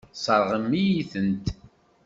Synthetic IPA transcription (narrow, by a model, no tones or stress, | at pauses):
sˤəɾˤʁəmːijiθənt̪